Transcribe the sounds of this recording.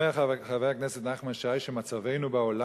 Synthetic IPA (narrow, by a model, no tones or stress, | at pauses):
eaχavejaknɛsɛt̪naχmanʃajʃemat͡savejnubaola